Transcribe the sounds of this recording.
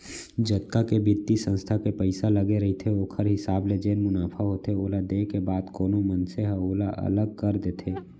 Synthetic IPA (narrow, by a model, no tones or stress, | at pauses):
d͡ʒət̪̚kakebɪt̪ːisə̃nst̪ʰakepəɪsaləɡeɾɐɦit̪ʰeoːkʰəɾɦɪsaːbled͡ʒeːnmʊnaːpʰaɦoːt̪eoːlad̪eːkebaːd̪koːnomənseɦəoːlaʔɐ̰ləɡ̚kəɾd̪eːt̪ʰeː